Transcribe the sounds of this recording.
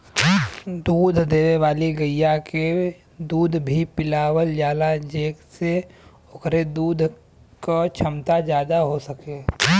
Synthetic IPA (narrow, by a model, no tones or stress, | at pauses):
d̪uːd̪ʱd̪eːweʋaːliɡəjjːake | d̪uːd̪ʱbʱipɪlaːwəld͡ʒjaːlad͡ʒeːkse | okɾed̪uːd̪ʱ | kat͡ʃʰəmt̪ad͡ʒjaːd̪aɦosəke